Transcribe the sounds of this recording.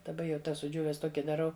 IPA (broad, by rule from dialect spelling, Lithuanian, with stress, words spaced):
dɐˈbɐ jɛʊ ˈtɐs sʊˈd͡ʒʲuːʋʲɛs ˈtoːkʲɪ dɐˈrɐʊ